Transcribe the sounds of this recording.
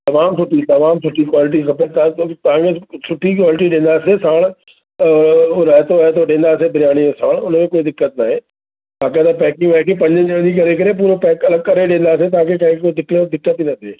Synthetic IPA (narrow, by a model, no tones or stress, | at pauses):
t̪ɐʋaːmsʊʈit̪ɐʋaːmsʊʈikwaːlɪʈ̬ixɐpət̪at̪ɐãːŋɡesʊʈʰikwaːlɪʈ̬iɗẽːnd̪aːsesaːɽ̃ | ɾɐɦt̪oɛt̪̬oɗẽːnd̪aːseb̪ʱɪɾjaːɽ̃iesaːɽ̃ʊnmẽkoːid̪ɪkːət̪naːɦeː | ʋaːket̪ɐpɛːkɪ̃ŋʋɐɦkʰepɐ̃ɲd͡ʑəd͡ʑɐɽ̃d͡ʑiːkɐɾekɐɾep̬uːɾopɛːkɐləɡ̚kɐɾeɗẽːn̆d̪aːset̪̬ɐãkʰekãːɦɪ̃koːid̪ɪkled̪ɪkːət̪inɐt̪ʰeː